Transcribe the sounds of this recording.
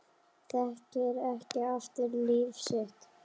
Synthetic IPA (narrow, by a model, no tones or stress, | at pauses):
θɛhc̪ɛɾɛhcɪaft̪ɪɾliːvsɪht̪